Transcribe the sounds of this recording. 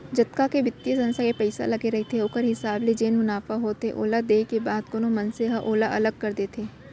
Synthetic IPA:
d͡ʒɐt̪kakeʋɪt̪ːjesɐ̃nsakepɛɪsa̰lɐɡeɾɐɦet̪ʰeoːkəɾɦɪsaːbled͡ʒeːnmʊnaːfaɦoːt̪eʔo̰ːlad̪eːkebaːd̪̚konomɐnseɦaʔoːlaʔɐləɡ̚kːɐɾd̪eːt̪ʰeː

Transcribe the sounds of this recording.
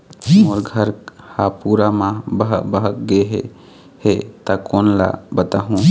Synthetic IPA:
moɾɡʱəɾhapuːɾamãbəɦbəɦəkɡeɦe | het̪akoːnla̰bət̪aɦũ

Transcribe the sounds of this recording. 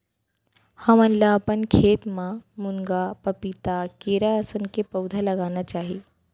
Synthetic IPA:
həmənlaəpənkʰeːt̪mãmuŋɡapəpit̪akeːɾaəsənkepəwd̪ʱaləɡaːnat͡ʃaːɦiː

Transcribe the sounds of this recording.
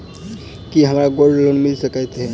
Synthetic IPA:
kiɦəmɾaɡoɾɖlonmilsəkəjt̪ɦe

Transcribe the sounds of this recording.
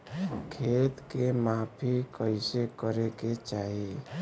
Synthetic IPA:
kʰeːt̪kemapʰikəɪsekəɾeket͡ʃaːɦi

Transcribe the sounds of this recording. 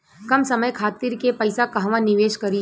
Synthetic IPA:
kɐmsɐməjkʰaːt̪iːɾkepɐɪsakɐɦʋãnɪʋeːʃkɐɾi

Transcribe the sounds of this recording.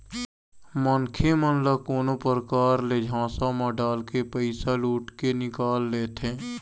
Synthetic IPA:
mənkʰemənləkoːnopəɾəkaːɾled͡ʒʱãːsamãɖaːlkepəɪsaluːʈkenɪkaːlːeːt̪eː

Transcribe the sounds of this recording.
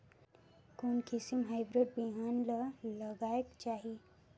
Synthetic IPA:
koːnkisimɦaɪbɾeɖ̚biɦaːnlaləɡaːjəkt͡ʃaːɦie

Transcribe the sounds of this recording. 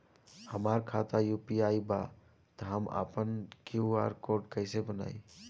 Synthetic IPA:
həmaɾkʰat̪ajupiaːiba̰ | t̪əɦəma̰pənkjua̰ɾkoɾɖkəɪsebəna̰ːi

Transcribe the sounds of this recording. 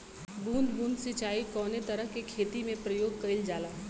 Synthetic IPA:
bʱũːnd̪bʱũːnd̪sɪt͡ʃaːikɔːnet̪ɐɾəɦkekʰeːt̪imẽpɾɐjoːɡ̚kɐɾɪld͡ʒaːlaː

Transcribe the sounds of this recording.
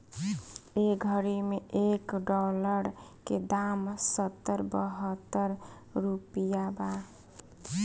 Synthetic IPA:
eɡʱəɾimeʔekɖɔləɾked̪amsət̪ːəɾbəɦət̪ːəɾɾupijaba

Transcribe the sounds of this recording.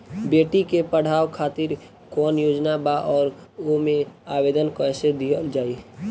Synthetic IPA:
beːʈikepəɽ̤aːwkʰaːt̪ɪɾ | kɔːnjoːd͡ʒnabaʔɔːɾomẽaːbeːd̪ənkoɛsed̪id͡ʒaːi

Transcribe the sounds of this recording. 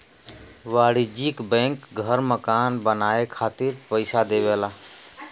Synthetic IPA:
ʋaːɽid͡ʒikbɛ̃ŋkɡʱəɾməkaːnbənaːekʰaːt̪iɾpəɪsad̪eːʋela

